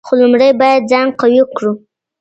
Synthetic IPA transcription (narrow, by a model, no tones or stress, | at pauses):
xolʊmɽəjbɑjad̪̚d͡zɑŋɡqawikɽu